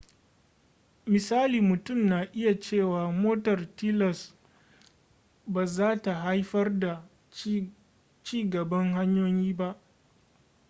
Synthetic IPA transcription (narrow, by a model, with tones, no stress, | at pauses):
mɪ˨saː˦liː˨mʊ˨tʊ˦˨mnaː˨ʔɪ˦ja˨t͡ʃeː˦˨waː˨moː˦tɐ˨rtiː˦lɐ˨s | baː˨zaː˦ta˨ɦa˦jɸɐ˦rda˨ | t͡ʃiː˦ɡɐ˨bɐ˦ŋɦa˦ɲjoː˦jiː˦ba˦ʔ